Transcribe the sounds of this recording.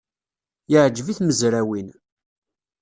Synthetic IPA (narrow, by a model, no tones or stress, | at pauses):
jəʕd͡ʒviθməzɾæwin